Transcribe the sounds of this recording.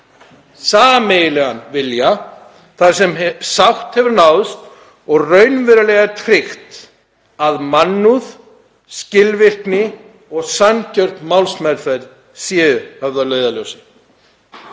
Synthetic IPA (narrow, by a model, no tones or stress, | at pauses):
saːmejɪlɛɣanvɪlja | θaɾ̥sɛmsawht̪hɛvɪɾnawðst̪ | ɔɣrœɥnvɛɾalɛɣat̪ʰɾɪxt̪ | aðmanːuð | scɪlvɪr̥knɪ | ɔɣsancœr̥t̪mawlsmɛɾθaɾ | sjɛːʏhœvðalœːɥðalœwsɪ